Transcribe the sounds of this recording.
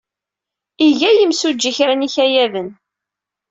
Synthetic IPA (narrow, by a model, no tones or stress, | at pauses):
iʝæjəmsud͡ʒːiçɾæniçæjævən